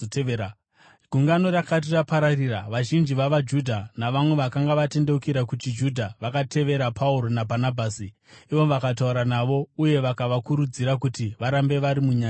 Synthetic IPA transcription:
ɡʱuŋɡano̞ɾakat̬irapaɾariraʋaʒind͡ʒiʋaʋad͡ʒudʱanaʋamwe̞ʋakaŋɡaʋate̞nde̞ukiɾakut͡ʃid͡ʒudʱaʋakatʰe̞ʋe̞ɾapʰauɾo̞nabʱanabʱaːsi | iʋo̞ʋakat̬auɾanaʋo̞uje̞ʋakaʋakuɾud͡ziɾakutiʋaɾambe̞ʋaɾimuɲaːa

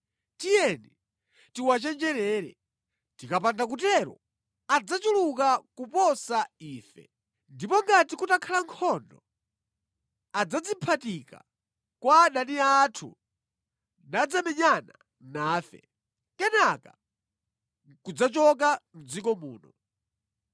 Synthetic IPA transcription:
tijɛni | tiwat͡ʃɛnd͡ʒɛɾɛɾɛ̰ | tikapandak̬utɛɾɔ̰ | ad͡zat͡ʃulukakupɔsaiːfɛ̰ | ndipɔŋɡatikutakʰalaŋkʰɔndɔ | ad͡zad͡zimpʰatika̰ | kwaɗaniatʰṵ | nad͡zamɛɲana | naːfɛ̰ | kɛnaka | kud͡zat͡ʃɔk̬am̩d͡zikɔmṵːnɔ

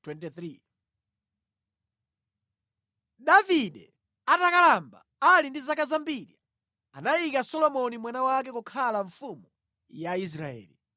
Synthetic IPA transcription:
twɛntɛθɾi | ɗaviɗɛ | atakalamba | alindizakazambiɾi | anajikasɔlɔmɔnimwanawak̬ɛkukʰalaɱfumu | jais̬ɾaɛ̰ːli

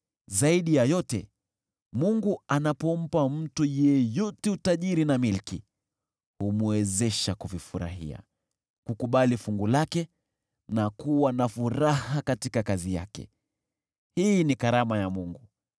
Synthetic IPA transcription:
zaiɗijajɔtɛ | muŋɡuanapɔm̩pam̩tujɛjɔtɛutaʄiɾinamilki | humuwɛzɛʃakuvifuɾa̰ɦḭa̰ | kukuɓalifuŋɡulakɛ | nakuwanafuɾahakatikakazija̰kɛ̰ | hinikaɾamajamuŋɡu

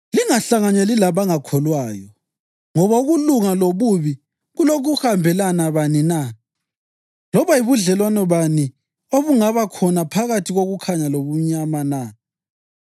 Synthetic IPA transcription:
liŋaɬaŋaɲelilaβaŋakʰɔlwaːjɔ | ŋɔβauɣuluŋaloβuβi | ɣulok̬ʰuhambʱɛlanaβanina | lɔβaiβuɮɛlwanɔβani | oβuŋaβakʰɔnapʰaɣatʰiɣoɣukʰaɲaloβuɲamana

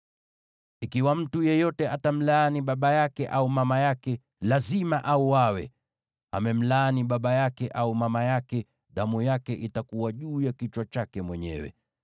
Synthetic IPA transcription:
ikiwam̩tujɛjɔtɛʔatam̩laːniɓaɓajakɛʔaumamajakɛ | lazimaʔauwawɛ̰ | a̰mɛm̩laːniɓaɓajakɛʔaumamajakɛ | ɗamujakɛʔitakuwaʄuːjakit͡ʃwat͡ʃakɛmwɛɲɛ̰wɛ̰

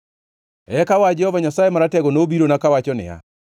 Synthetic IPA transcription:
ɛkawad͡ʒɛhɔvaɲasaːemaɾatɛɣonoːbiɾonakawat͡ʃɔnḛa̰

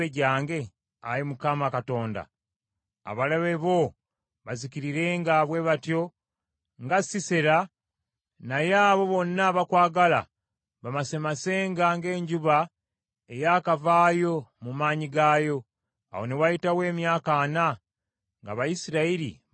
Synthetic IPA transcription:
eɟaːŋɡe̞ | aɾimukamakato̞ːnda̰ | a̰βalaβeβo̞ | βaziciɾiɾe̞ːŋɡaβwe̞βatjo̞ | ŋɡasiseɾa | najaːβo̞βo̞nːaβakwaːɡala̰ | βamasemase̞ːŋɡaŋɡe̞ːɲɟuβa | e̞jakavaːjo̞mumaːɲiɡaːjo̞ | a̰wo̞ne̞wajitawe̞ːmjaːkaːna | ŋɡa̰βajisiɾaiɾḭ

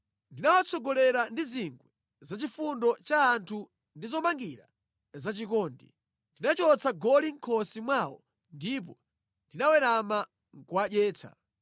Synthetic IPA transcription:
ndinawat͡sʰɔɡɔlɛɾandiziŋɡwɛ | zat͡ʃifundɔt͡ʃaːntʰu | ndizɔmaŋɡiɾa̰ | zat͡ʃikɔːndḭ | ndinat͡ʃɔt͡saɡɔliŋ̩kʰɔsimwaːwɔ̰ | ndip̬ɔ | ndinawɛɾama | ŋkwaɗɛːt͡sʰa̰

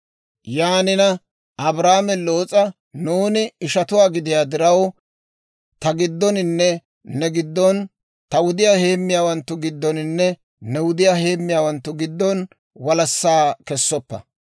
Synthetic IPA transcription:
jaːnɪnɐ | ɐbɾaːmɛlo̞ːt͡sʼɐ | nuːnɪɪʃɐt̪ʊwaːɡɪd̪ɪjaːd̪ɪɾɐw | t̪ɐɡɪd̪ːɔnɪnːɛ | nɛɡɪd̪ːɔn | t̪ɐwʊd̪ɪjaːhe̞ːmːɪjaːwɐnt̪ːʊɡɪd̪ːɔnɪnːɛ | nɛwʊd̪ɪjahe̞ːmːɪjaːwɐnt̪ːʊɡɪd̪ːɔn | wɐlɐsːaːkɛsːɔpːɐ̰

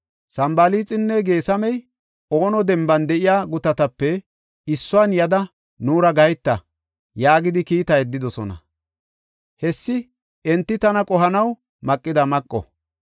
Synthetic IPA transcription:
sɐmbɐliːt͡sʼɪnːɛɡe̞ːsɐmɛj | o̞ːnɔd̪ɛmbɐnd̪ɛʔɪjaːɡʊt̪ɐt̪ɐpːɛ | ɪsːʊanjɐd̪ɐ | nuːɾɐɡɐjt̪ːɐ̰ | jaːɡɪd̪ɪkiːt̪ɐjɛd̪ːɪd̪ɔsɔ̰nɐ̰ | hɛsːɪ | ɛnt̪ːɪt̪ɐnɐkʼɔɦɐnɐw | mɐkʼːɪd̪ɐmɐkʼːɔ̰

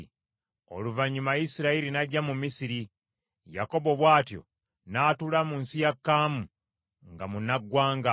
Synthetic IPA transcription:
o̞̰luvaɲːumajisiɾaiɾinaɟːamumisiɾi | ja̰ko̞bo̞βwaːtjo̞̰ | naːtulamunsijakːaːmu | ŋɡamunaɡwaːŋɡa

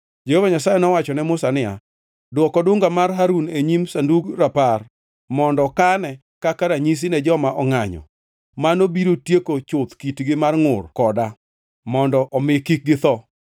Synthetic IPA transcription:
d͡ʒehovaɲasajɛnɔwat͡ʃɔnɛmʊsanɪa̰ | dwɔkɔdʊŋɡamarɦaɾuneɲimsanduɡɾapar | mɔndɔkanɛ | kakaɾaɲis̬inɛd͡ʒɔmaʔɔŋaɲɔ̰ | manobiɾotjekot͡ʃʊt̪kitɡɪmarŋʊrkɔda | mɔndɔʔɔmɪkik̚ɡɪt̪ɔ

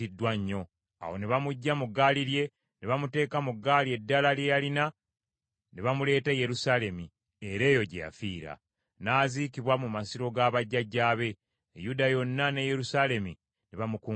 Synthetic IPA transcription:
idːwaɲːo̞ | a̰wo̞̰neβamuɟːamuɡːaliɾje̞ | neβamute̞ːkamuɡːaːlie̞dːalaljejalina | neβamule̞ːteje̞ɾusale̞mi | eɾe̞ːjo̞ɟḛja̰fiːɾa̰ | naːziːkiβwamumasiɾo̞ɡaːβaɟːaɟːaːβe̞ː | judajo̞nːane̞je̞ɾusale̞mi | neβamuku

